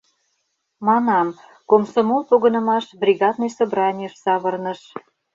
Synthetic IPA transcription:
mɑnɑm | komsomolˠpoɣə̆nə̆mɑʃbrʲiɣɑd̪nɤjsobrɑnʲijəʃsɑβərnə̆ʃ

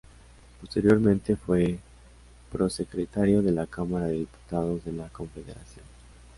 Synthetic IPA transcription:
po̞st̪eɾjo̞ɾmẽnt̪e̞fwe̞ | pɾo̞se̞kɾet̪aɾjo̞ðe̞lakamaɾaðeðipu̥t̪að̞o̞zðe̞lako̞ɱfeðḛɾa̰sjo̞̰n

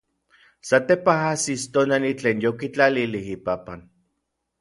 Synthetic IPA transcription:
sat̪epaɦasist̪onalit͡ɬeːnjokit͡ɬalilihipapan

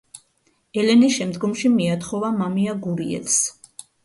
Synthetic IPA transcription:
ɛlɛnisʃɛmd̪ɡɔmʃimiat̪χɔvamamiaɡuɾiɛ̰ls

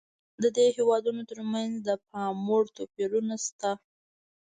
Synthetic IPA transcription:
d̪əd̪ehewɑd̪unot̪əɾmanzd̪əpɑmoɽt̪opeɾunast̪a

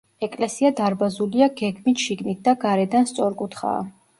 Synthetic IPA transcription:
ɛkʼlɛsiad̪aɾbazuliaɡɛɡmit̪ʃiɡnit̪̚d̪̥aɡaɾɛd̪anst̪sʼɔɾkʼut̪ʰχa̰ː

